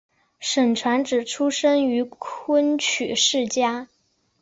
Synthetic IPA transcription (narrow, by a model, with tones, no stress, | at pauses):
ʂə˨˩ŋʈ͡ʂʰwa˧˥nʈ͡ʂɻ̩˨˩ʈ͡ʂʰu˥ʂə˥ŋy˧˥kʰwə˥nt͡ɕʰy̰˨˩ʂɻ̩˥˩t͡ɕja˥